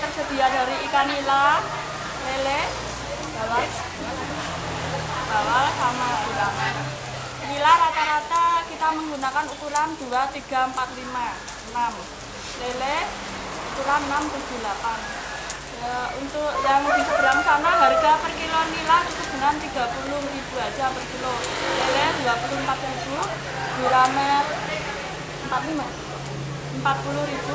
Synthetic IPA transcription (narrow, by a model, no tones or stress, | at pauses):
t̪ərsəd̪̥i̤adaɾiːkanila | lelɛ | ɡawa | a | b̥awalsamad̪ulama | nilaɾat̪aɾat̪akit̪aməŋɡunakanut̪uɾand̪̥uat̪iɡ̥a̤əmpat̪lima | ənam | lelɛ | ut̪uɾanənamt̪u̥d͡ʒ̥ṳlapan | əunt̪ʊʔjaŋdisub̥əlansanaɦarɡapərkilonilasusəb̥unant̪iɡ̥a̤pulʊhrib̥uad͡ʒ̥a̤pərkilolelɛd̪̥uapulʊmpat̪ɾib̥u | d̪̥ṳɾamɛ | əmpat̪lima | əmpat̪̚pulʊɾib̥u